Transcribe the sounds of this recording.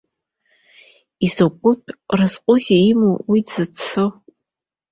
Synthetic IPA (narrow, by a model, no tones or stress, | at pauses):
izɐkʷʼʊpʰrɨzqʷʼʊʁʲaimowidzɨt͡sʰɨ